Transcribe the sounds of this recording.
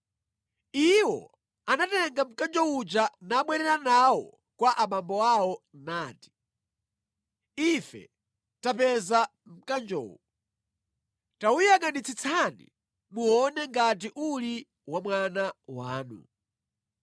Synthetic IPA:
iwɔ̰ | anatɛŋɡam̩kand͡ʒɔwut͡ʃanaɓwɛɾɛɾanawɔ̰ | kwaʔamambɔawɔnaːti̥ | ifɛ̰ | tapɛzam̩kand͡ʒɔ̰ːwu | taujaŋɡanit͡sʰit͡sʰanḭ | muɔnɛŋɡat̬iʔuli | wamwanawaːnṵ

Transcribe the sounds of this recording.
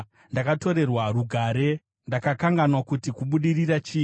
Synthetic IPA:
ndakato̞ɾe̞rwaruɡʱaɾe̞ | ndakakaŋɡanwakutikuɓuɗirirat͡ʃiː

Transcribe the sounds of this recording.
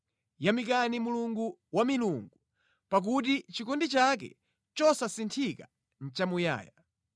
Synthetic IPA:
jamikanimuluŋɡuwamiluŋɡu | pak̬ut̬it͡ʃikɔndit͡ʃakɛ̰ | t͡ʃɔsasintʰika | n̩t͡ʃamuja̰ːja

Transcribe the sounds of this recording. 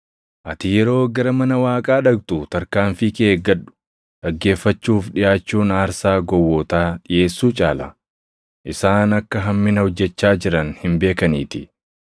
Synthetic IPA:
ʔɐt̪ɪjɛɾo̞ːɡɐɾɐmɐnɐwaːkʼaːᶑɐɡt̪ʊt̪ɐɾkaːnfikeːɡːɐɗːʊ̥ | ᶑɐɡːe̞ːfːɐt͡ʃːuːfᶑɪjaːt͡ʃːuːnaːɾsaːɡɔwːɔt̪aːɗɪje̞ːsːuːt͡ʃʼaːlɐ̰ | ʔɪsaːnɐkːɐɦɐmːɪnɐhɔd͡ʒːɛt͡ʃːaːd͡ʒɪɾɐnhɪmbe̞ːkɐniːt̪ɪ

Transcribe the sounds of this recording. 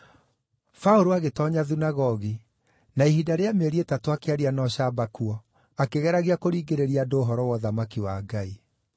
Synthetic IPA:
faoɾoaɣetɔɲaðunaɣɔɣi | naihidaɾeameɾietatoakeaɾianɔɕabakuɔ | akeɣɛɾaɣiakoɾiːɡeɾeɾiadoːɦɔɾɔwɔðamakiwaːɡai

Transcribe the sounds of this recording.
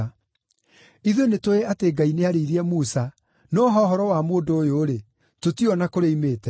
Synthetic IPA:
iðenetoeateːɡaineaɾeiɾiɛmusa | nɔɦɔɦɔɾɔwamoːndoːjoɾe | totiɔnakoɾeimeːtɛ

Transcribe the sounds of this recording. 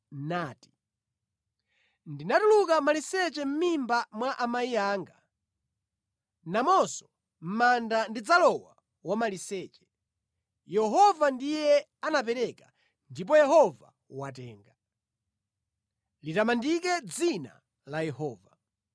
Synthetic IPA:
naːti̥ | ndinatulukamalisɛt͡ʃɛm̩mimbamwaʔamaiaːŋɡa | namɔsɔ̥ | m̩mandandid͡zalɔwa | wamalisɛt͡ʃɛ̥ | jɛɦɔvandijɛ | anapɛɾɛka | ndip̬ɔjɛɦɔva̰ | wat̬ɛːŋɡa | litamandikɛd͡zina̰ | lajɛhɔːva

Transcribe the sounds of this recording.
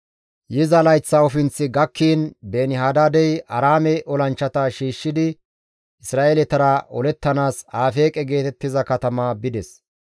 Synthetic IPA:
jɪzɐlɐjt͡sːɐɔfɪnt͡sːɪɡɐkːiːnbeːnɪɦaːd̪aːd̪ɛjʔɐɾaːmɛʔɔlɐnt͡ʃːɐt̪aʃiːʃːɪd̪ɪ | ʔɪsɾaːʔelɛt̪ɐɾɐʔɔlɛt̪ːɐnaːsaːfe̞ːkʼɛɡe̞ːt̪ɛt̪ːɪzɐkɐt̪ɐmabɪd̪ɛs

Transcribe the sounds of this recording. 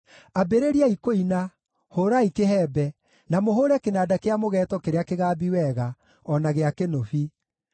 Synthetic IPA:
abeɾeɾiaikoina | hoɾaikeɦɛːbɛ | namoɦoɾɛkenadakeamoɣɛːtɔkeɾeakeɣaːbiwɛɣa | ɔnaɣeakenofi

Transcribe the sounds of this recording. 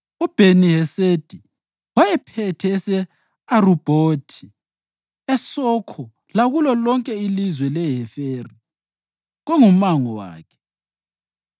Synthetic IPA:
ub̥ʱeniɦɛsed̥ʱi | wajɛpʰɛtʰɛːsɛ | arub̥ʱoːtʰi | ɛsɔkʰɔ | laɣulɔlɔŋkʼɛilizwɛlɛɦɛfeːri | ɣɔŋumaŋɔwa̰ːkʰɛ̥

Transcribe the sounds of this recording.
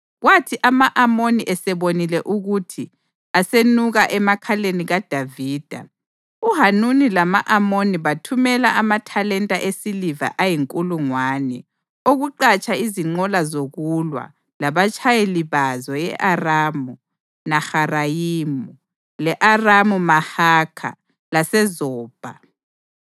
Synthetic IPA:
ɣwatʰiʔamaʔamoniʔɛsɛβonilɛʔuɣutʰi | asenuɣaʔɛmakʰaleniɣad̥ʱaviːd̥ʱa̰ | uɦanunilamaʔamoniβatʰumɛlaamatʰalɛntʼaʔesiliva̰ʔajiŋkʼuluŋwaːnɛ | oɣuǃat͡ʃʼaiziŋ͡ǃɔlazoɣulwa̰ | laβat͡ʃʼʰajeliβazɔjɛʔaraːmu | naxarajiːmu | lɛʔaramumahaːkʰa̰ | lasɛzɔːb̥ʱa̰

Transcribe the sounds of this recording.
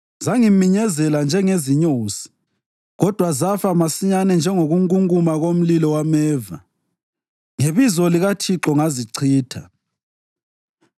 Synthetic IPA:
zaŋimiɲɛzɛland͡ʒʱɛŋeziɲoːsi̥ | ɣɔd̥ʱwazafamasiɲanɛnd͡ʒʱɛŋoɣuŋuŋumaɣom̩lilɔwamɛːva | ŋeβizɔliɣatʰiǁɔŋaziǀʰiːtʰa

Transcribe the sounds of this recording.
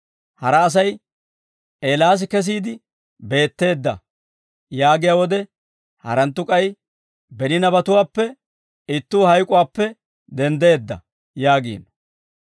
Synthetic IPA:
hɐɾɐːs̬ɐj | ʔeːlaːs̬ɪkɛs̬iːd̪ɪ | be̞ːt̪ːe̞ːd̪ːɐ̰ | jaːɡɪjawɔd̪ɛ | hɐ̰ɾɐnt̪ːʊkʼɐj | bɛnɪnɐbɐt̪ʊwaːpːɛ | ɪt̪ːuːhɐjkʼʊwaːpːɛ | d̪ɛnd̪e̞ːd̪ːɐ̰ | jaːɡḭːn

